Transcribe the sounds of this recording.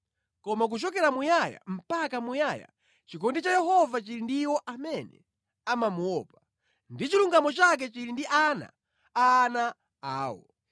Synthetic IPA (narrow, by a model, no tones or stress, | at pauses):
kɔmak̬ut͡ʃɔkɛɾamujaja̰m̩pakamujaja̰ | t͡ʃikɔndit͡ʃajɛɦɔvat͡ʃiɾindiwɔʔamɛnɛ̰ | amamuwɔːpḁ | ndit͡ʃiluŋɡamɔt͡ʃak̬ɛt͡ʃiɾindiʔana̰ | ana | aːwɔ̰